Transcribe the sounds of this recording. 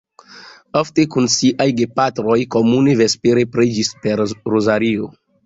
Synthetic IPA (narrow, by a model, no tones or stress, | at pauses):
ofte̞kunsiʔajɡepatɾo̞jko̞muneve̞speɾepɾed͡ʒispe̞ɾɾozaɾio